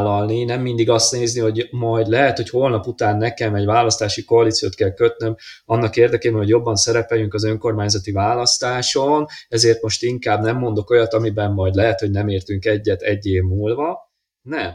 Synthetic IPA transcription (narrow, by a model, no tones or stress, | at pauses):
lːɒlninɛmːind̪iɡɒst̪neːzniho̞ɟmɒjd̪lɛɦɛt̪ho̞choːlnɒput̪aːnːɛkɛmɛɟvaːlɒst̪aːʃiko̞ɒlit̪sijo̰ːt̪kɛlkøt̪nømɒnːɒkeːrd̪ɛkeːbɛnhɦo̞ɟjo̞bːɒnsɛɾɛpɛjyŋkɒzø̞ŋko̞rmaːɲzɒt̪ivaːlɒst̪aːʃo̞nɛzeːrt̪mo̞ʃt̪iŋkaːbnɛmːo̞nd̪o̞ko̞jɒt̪ɒmibɛmːɒjd̪lɛɦɛt̪ho̞ɟnɛmeːrt̪yŋkɛɟːɛt̪ɛɟːeːvmuːlvɒ | nɛm